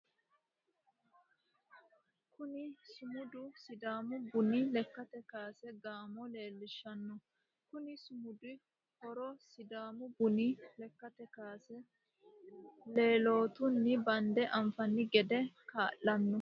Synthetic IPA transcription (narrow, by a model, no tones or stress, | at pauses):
kʊnɪsʊmʊd̪ʊsɪd̪aːmʊbʊnɪlɛkːɐt̪ɛkaːsɛɡaːmɔle̞ːlːɪʃːɐnːɔ | kʊnɪsʊmʊd̪ɪ | hɔɾɔsɪd̪aːmʊbʊnɪlɛkːɐt̪ɛkaːsɛ | le̞ːlo̞ːt̪ʊnːɪbɐnd̪ɛʔɐmfɐnːɪɡɛd̪ɛkaːʔːɐnːɔ